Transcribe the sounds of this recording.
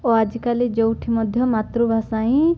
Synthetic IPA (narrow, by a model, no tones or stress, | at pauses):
ɔad͡ʒikalid͡ʒɔwʈʰimɔd̪ʱjɔmat̪ɾubʱasaĩ